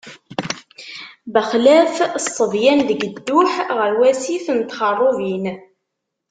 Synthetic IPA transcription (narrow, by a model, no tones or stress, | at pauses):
bəχlæfsˤːəðjænðəɡəd̪ːʊħʁəɾwæsiθənt̪χərˤːovin